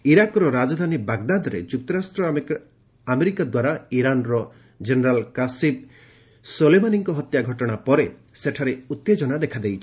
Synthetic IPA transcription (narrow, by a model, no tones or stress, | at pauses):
iɾakɾɔɾad͡ʒɔd̪ʱanibaɡd̪ad̪ɔɾḛd͡ʒuk̚t̪ɔɾasʈɾɔ | ameɾikad̪waɾaiɾanɾɔ | d͡ʒeneɾalkasib̚ | solemaniŋkɔɦɔt̪jaɡʱɔʈɔɽ̃apɔɾe | seʈʰaɾeut̪ːed͡ʒɔnad̪ekʰad̪ejt͡ʃʰi